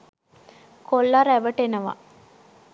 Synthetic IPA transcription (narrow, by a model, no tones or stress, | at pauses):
kolːaɾæʋəʈenəʋa̰